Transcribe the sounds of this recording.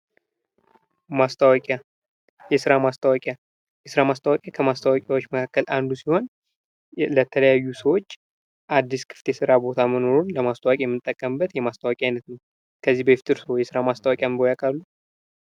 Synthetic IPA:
mast̪ʰəwakʼa | jɛsɨɾamast̪ʰəwakʼja | jɛsɨɾamast̪ʰəwakʼjakʰəmast̪ʰəwakʼawot͡ʃːməkʰakːəlʔand̪usiho̞n | lət̪ʰələjajːusəwo̞t͡ʃː | ʔad̪ːiskʰɨ̥ft̪jɛsɨɾabo̞t̪ʰaməno̞ɾunləmast̪ʰəwakʼijɛmːɨt̪ʼːəkʼːəmɨbːət̪jɛmast̪ʰəwakʼiajnət̪nəw | kʰəzːibəft̪ʰʼɨɾsojɛsɨɾamast̪əwakʼjambojakʼalːu

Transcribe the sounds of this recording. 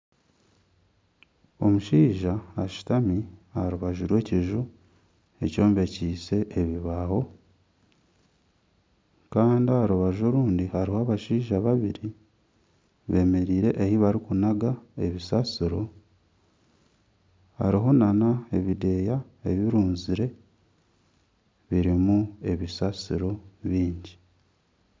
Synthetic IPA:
o̞̰muʃiːʒaːʃi̥tamiaɾuβaʒuɾwe̞ːciʒu | e̞co̞ːmbe̞ciːse̞ʔːβiβaho̞ | kaːndiaɾuβaʒoɾuːndihaɾihaːβaʃiːʒaβaβiɾi | βe̞me̞ɾiːɾe̞ʔehiβaɾikunaɡae̞βisasiɾo̞ | ha̰ɾiɦo̞nanae̞βide̞ːja | e̞βiɾuːnziɾe̞ | βiɾimue̞βisasiɾo̞βiːɲɟi

